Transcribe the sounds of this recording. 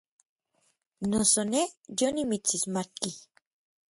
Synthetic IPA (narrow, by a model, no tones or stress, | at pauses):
nosonejonimit͡sismat̪̚ki